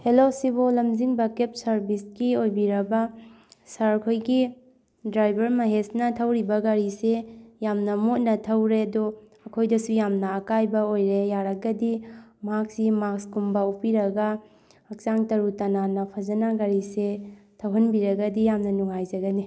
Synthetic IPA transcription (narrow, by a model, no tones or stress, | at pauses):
helosibolɐmd͡ʒiŋbɐkep̚sɐɾbisɡiojbiɾɐbɐ | sɐɾkʰojɡi | dɾajbɐɾmɐɦesnɐtʰɐwɾibɐɡɐɾisejamnɐmut̚nɐtʰɐwɾedo | ɐkʰojdɐsujamnɐːkajbɐojɾejaɾɐɡɐdimɐɦak̚simakskumbɐupiɾɐɡɐ | ɐk̚t͡ʃaŋtɐɾutɐnanɐpʰɐzɐnaɡɐɾisetʰɐwɦɐnbiɾɐɡɐdijamnɐnuŋajzɐɡɐni